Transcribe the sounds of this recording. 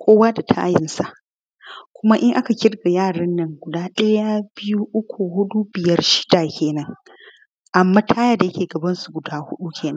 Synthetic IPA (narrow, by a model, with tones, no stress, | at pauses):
kʷʰoː˦waː˦da˨tʰa̰ː˦jɪ˨nsa˨ʔ | kʷʊ˦ma˦ʔɪ˦ŋʔa˦ka˨kʲɪ˦rɡa˨jaː˦˨ɽɐ˦nːɐ˦ŋɡʷʊ˨daː˦ɗɐ˦ja˦bɪ˦ju˦ʔʊ˦kʷu˨ɦʊ˦ɗu˦bɪ˨jɐ˦rʃɪ̥˦da˨kʲeː˨nɐ˦ŋ | ʔa˨mːaː˦tʰaː˦ja˦da˨jɐ˦kʲeː˨ɡɐ˨bɐ˦nsu˨ɡʷʊ˨daː˦hʊ˦ɗu˦kʲʰeː˨nɐ˦ŋ